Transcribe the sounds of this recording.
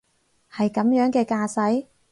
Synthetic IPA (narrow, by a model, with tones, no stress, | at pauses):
hɐ˨jkɐ˨˥mjœː˨˥ŋkɛː˧kaː˧sɐ˨˥j